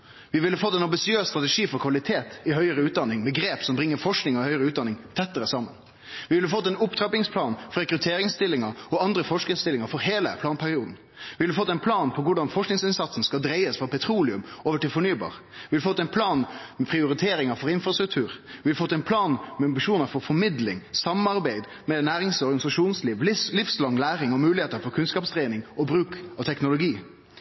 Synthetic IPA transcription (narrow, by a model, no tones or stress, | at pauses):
ʋɪʋɪlːəfɔt̪ːɛɪnɑmbɪsɪøːsst̪ɾɑt̪əʂiːfɔɾkʰʋɑlɪt̪ʰeːt̪ɪhœʏəɾəʉːd̪ɑnɪŋmɛɡɾeːpsɔmbɾɪŋːəɾfɔʂknɪŋɔɪhœʏəɾəʉːt̪d̪ɑnɪŋt̪ʰɛt̪ːəɾəsɑmːə̰n | ʋɪʋɪlːəfɔt̪ːɛnʊpt̪ʰɾɑpɪŋspʰlɑːnfɔɾɛkɾʉt̪ʰeːɾɪŋst̪ɪlːɪŋɑɔɑnd̪ɾəfɔʂkəst̪ɪlːɪŋɑɾfɔɾheːlə̰pʰlɑːnpʰæɾɪuːd̪n̩ | ʋɪʋɪləfɔt̪ːɛɪnpʰlɑːnpʰɔʋʊɖɑnfɔʂknɪŋsɪnsɑt̪sən̩skɑld̪ɾeɪəsfɔpʰɛt̪ʰɾuːlɪʉmoːʋəʈɪlfɔɳyːbɑ̰ːɾ | ʋɪhɑd̪fɔt̪ːɛɪnpʰlɑːnmɛpʰɾɪʊɾɪt̪ʰeːɾɪŋɑfɔɾɪnfɾɑst̪ɾʉk̚t̪ʰʉːɾʋɪhɑd̪fɔt̪ːɛɪnpʰlɑːnmɛɑmbɪʂuːnəɾfɔɾfɔɾmɪd̪lɪ̰ŋsɑmɑɾbæɪd̪ | mɛnæːɾɪŋsɔɾɡɑnɪsɑʂuːnsliːʋlɪfslɑŋlæːɾɪŋɔmʉːlɪheːt̪əɾfɔɾkʰʉnskɑːpst̪ɾeɪnɪŋɔbɾʉːkɑʋt̪ʰɛknʊlʊɡiː